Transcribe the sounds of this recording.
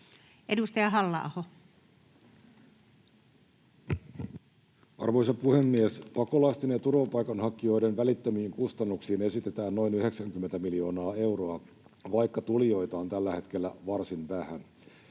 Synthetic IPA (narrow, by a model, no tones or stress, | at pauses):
ʔedust̪ɑjɑɦɑlːɑ̰ːho | ɑ̰rʋo̞jsɑpuhe̞mːiespɑko̞lɑst̪inet̪urʋɑpɑjkɑnhɑkːio̞jdenʋælit̪ːemiːŋkust̪ɑnːuksiːne̞sit̪e̞t̪æːnːo̞jnyhe̞ksæŋk̟ymːent̪æmilio̞ːnɑːe̞wɾo̞ɑ | ʋɑjkːɑt̪ulijo̞jt̪ɑːnt̪ælːæhe̞t̪k̟e̞lːæʋɑrsinʋæhæn